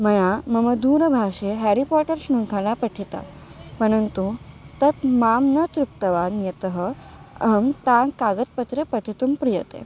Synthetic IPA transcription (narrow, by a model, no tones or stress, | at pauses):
mɐjamɐməd̪uːɾəbʱaːʂeɦɛɾipɔʈəɾsɳuŋkʰalapəʈʰit̪a̰ | pəɽ̃ənt̪ut̪ɐt̪maːmnət̪ɾuk̚t̪ɐʋanjɐt̪əɦəɐɦəmt̪ãnkaːɡət̪̚pət̪ɾepəʈʰit̪umpɾijɐt̪ḛ